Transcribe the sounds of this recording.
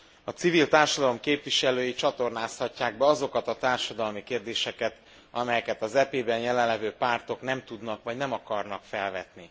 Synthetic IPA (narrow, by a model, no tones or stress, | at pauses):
ɒt̪sivilt̪aːrʃɒd̪ɒlo̞mkeːpʋiʃɛløːjit͡ʃɒt̪o̞rnaːshɒcːaːɡ̚bɛɒzo̞kɒt̪ɒt̪aːrʃɒd̪ɒlmikeːrd̪eːʃɛkɛt̪ | ɒmɛjɛkɛt̪ɒzɛpeːbɛnjɛlɛnlːɛvøːpaːrt̪o̞knɛmt̪ud̪nɒkʋɒɟnɛmɒkɒrnɒkfɛlvɛt̪ni